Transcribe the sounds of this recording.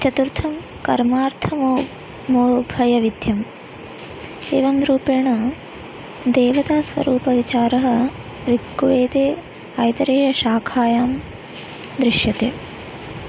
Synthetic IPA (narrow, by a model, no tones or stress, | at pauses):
t͡ʃɐt̪uɾt̪ʰɐm | kɐɾmaːɾt̪ʰɐmo | moːbʱɐjɐʋid̪jɐm | eːʋɐmɾuːpeːɳɐ | d̪eːʋɐt̪aːsʋɐ̰ɾuːpɐʋit͡ʃaːɾɐɦɐ̆ | ɾiɡːuʋeːt̪eː | aːjt̪ɐɾeːjɐʃaːkʰaːjaːm | d̪ɾɪʃjɐt̪eː